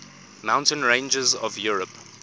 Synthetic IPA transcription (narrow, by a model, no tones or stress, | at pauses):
mãʊ̃ntə̃nɹẽɪ̃nd͡ʒɪzɔvjuːɹəp